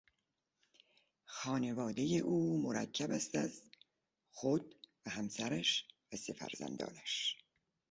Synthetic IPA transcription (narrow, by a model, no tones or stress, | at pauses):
xɒːne̞vɒːd̪ejeʔuːmoɾæ̰cʰːæbæst̪æz | xod̪̥væhæmsæɾæʃvæsefæ̰ɾzæ̰nd̪ɒ̰ːnæʃ